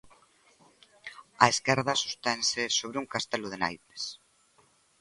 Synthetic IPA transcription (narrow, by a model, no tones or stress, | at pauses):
aeskɛɾðɐsu̥st̪ɛnsɪsoβɾeuŋkast̪ɛlʊðena̰jt̪e̥s